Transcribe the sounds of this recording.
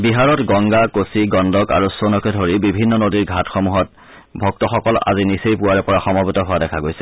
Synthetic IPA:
biɦaɹɔtɡɔŋɡakosiɡɔndɔka̰ɹusonɔkɛdʱoɹibibʱinːɔnodiɹɡʱatxɔmuɦɔt̚ | bʱɔk̚tɔxɔkɔla̰zinisejpuaɹɛpɔɹaxɔmɔbitɔɦʊwadɛkʰaɡojsɛ̥

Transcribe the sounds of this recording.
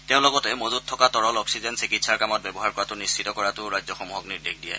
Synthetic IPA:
tɛʊ̃lɔɡɔtɛmozuttʰːɔkatɔɹɔlɔksizɛnsikitsaɹkamɔt̚bɛbɔɦaɹkɔɹatʊnisʰitɔkɔɹatʊɹajzɔxɔmuɦɔk̚niɹdexdijɛ̰

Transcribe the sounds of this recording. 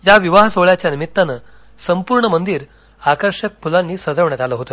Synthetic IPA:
jaʋiʋaɦsoɭjat͡ɕjanimit̪ːanə | səmpuɾɳəmənd̪iːɾ | akəɾɕək̚pʰulanːiːsəd͡zəʋɳat̪aləɦot̪ə

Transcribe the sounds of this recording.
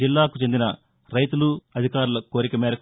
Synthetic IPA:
ilːaːkut͡ʃe̞nd̪inɐ | ɾɐjt̪uluɐd̪ʱikaːɾulɐko̞ːɾikɐmɛːɾɐk

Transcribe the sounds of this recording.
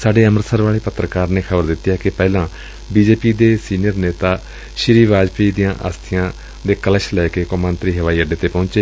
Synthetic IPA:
saːɖeːəməɾsəɾʋaːɭeːpət̪ːɾəkaːɾneːkʰəbəɾd̪ɪt̪ːjaːkɪpɛːlãː | biːd͡ʒeːpiːd̪eːsiːnɪjəɾneːt̪aː | ʃɪɾiːʋaːd͡ʒpiːd̪ijãːʔə̰st̪ʰɪjãː | d̪eːkələʃlɛːkeːkoːmənt̪ɾiːɦəʋaːiːəɖeːt̪eːpɔ̃ːnt͡ʃeː

